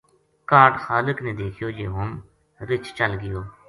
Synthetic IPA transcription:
kaːʈxaːlɪknẽːd̪eːkʰɪjoːd͡ʒeːɦʊm | ɾɪt͡ʃt͡ʃəlɡɪjoː

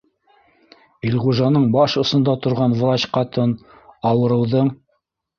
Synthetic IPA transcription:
ilʁuʒɑnɤɴbɑʃŏsɤ̆nd̪ɑt̪ŏɾʁɑnvɾɑt͡ɕqɑt̪ɤn | ɑwɤ̆ɾɤ̆wðɤɴ

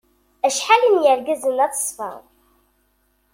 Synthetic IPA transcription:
æʃħalinjəɾɡəzənæt͡sːə̥sˤfæ̰

